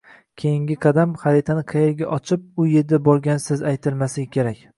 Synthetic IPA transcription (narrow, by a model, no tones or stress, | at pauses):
kʲʰe̞jɪŋɡʲɪqʰɑd̪amχɑɾit̪ʰanɪqʰɑjeɾɡʲaʔɒt͡ʃʰɪp̚ʊjeɾd̪abɒɾɡʲansɪzajt̪ʰɪɾmasɪɡʲakʲʰe̞ɾakʲ